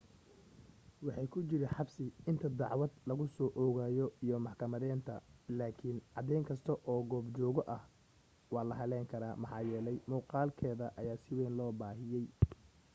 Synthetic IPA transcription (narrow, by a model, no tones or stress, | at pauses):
wɑħɑjkʰʊt͡ʃɪɾɪnħɑbsɪɪnt̪ʰɐd̪ɑʕwɐd̪lɐɣʊsɔːʔɔɣaːjɔijɔmɑħkʰɐmɐðɛːnt̪ʰɐlaːkʰɪnʕɑd̪ɛjŋkʰɐst̪ʰɐʔɔːɡɔːbt͡ʃɔːɣɔʔɐh | wɑːlɐɦɐlɛːŋkʰɐɾaːmɑħɑːjɛːlɛjmuːqɑːlkʰɛːðɐʔɐjaːsɪwɛːnlɔːbaːɦɪjɛj